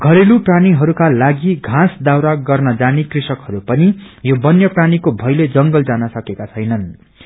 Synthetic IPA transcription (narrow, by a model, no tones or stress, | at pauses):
ɡʱʌɾelupraniɦʌɾukalaɡiɡʱãsd̪awɾaɡʌrnʌd͡zanikrisʌkhʌɾupʌnijobʌnjʌpranikobʱʌjled͡zʌŋɡʌld͡zanʌsʌkekat͡sʰʌjnʌn